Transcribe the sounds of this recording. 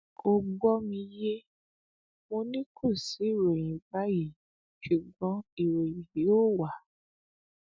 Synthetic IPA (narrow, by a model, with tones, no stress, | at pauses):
o˧ɡ͡bɔ˦mĩ˧je˦ | mo˧nĩ˦kʰũ˦˨si˨˦i˦˨ɾe˨j̃ĩ˨ba˦ji˦˨ | ʃu˨ɡ͡bɔ̃˨˦i˨ɾe˨jĩ˨i˨˦o˦˨wa˨